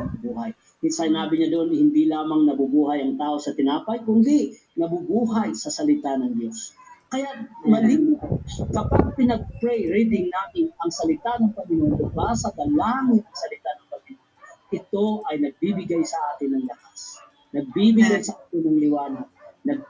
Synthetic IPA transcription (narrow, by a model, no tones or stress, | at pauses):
ɐbuːhaj | sɐhɪnaːbɪɲad̪oʔonhɪnd̪ilaːmɐŋnɐbubuːɦɐjɐŋt̪aːʔo̞sɐt̪ɪnaːpɐjkʊnd̪ɪ | nɐbubuːɦajsɐsɐlɪt̪anɐŋd͡ʒjo̞s | kɐjat̪̚mɐliːmɪkɐpaɡ̚pɪnɐɡ̚pɹɛjɾit̪̬ɪŋnaːmɪnɐŋsɐlɪt̪anɐŋpɐmɪnont̪ʊplasɐɡ̪ɐlaŋɪnɐŋsɐlɪt̪anɐŋpɐmɪnonʔɪt̪o̞ʔɐjnɐɡ̚bibɪɡajsɐʔaːt̪ɪnːɐŋlɐkas | nɐɡ̚bibɪɡajsɐʔaːt̪ɪnːɐŋlɪwaːnadnɐɡ̚